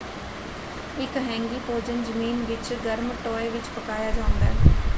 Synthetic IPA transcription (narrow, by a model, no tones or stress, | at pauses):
ɪkɦɛ̃ːŋɡiːpoːd͡ʒənd͡ʒəmiːnʋɪt͡ʃɡəɾməʈoːeːʋɪt͡ʃpəkaːjaːd͡ʒaːʊ̃nd̪a̰ːɦɛ